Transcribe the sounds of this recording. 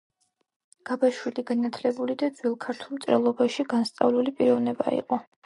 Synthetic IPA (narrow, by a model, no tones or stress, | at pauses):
ɡ̥abaʃwiliɡanat̪ʰlɛbulid̪ad̪zwilˠkʰaɾt̪ʰulˠmt̪sʼɾɛ̰lˠɔbaʃiɡanst̪sʼa̰vlulipʼiɾɔvnɛba̰ḭqʼɔ